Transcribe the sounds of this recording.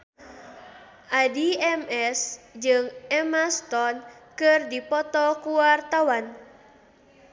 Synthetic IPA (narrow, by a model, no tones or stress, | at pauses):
ʔadiɛmɛsd͡ʒɨŋɛmast̪ɔnkɨrdipɔt̪ɔkuwart̪awan